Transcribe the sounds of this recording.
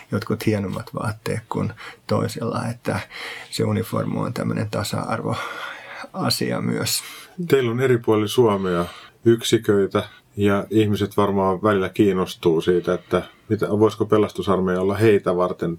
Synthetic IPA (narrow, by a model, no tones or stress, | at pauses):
jot̪kut̪hienomːɑt̪ʋɑːt̪ːeːkkunt̪oisilːɑet̪ːæseunifo̰rmoiont̪æmːønent̪ɑsɑ̰ɑrʋo | ɑsiɑ̰my̰øst̪eilːoneripuɑlisuɑmeɑyksikøit̪æ | jɑihmiset̪ʋɑrmɑːʋælilːækiːnːost̪uːsiːt̪æet̪ːæ | mit̪æʋoiskopelˑɑst̪usɑrmejɑolːɑheit̪æʋɑrt̪en